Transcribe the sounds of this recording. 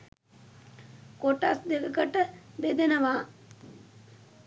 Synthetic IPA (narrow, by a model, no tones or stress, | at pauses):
koʈasd̪ekəkəʈəbed̪enəʋaː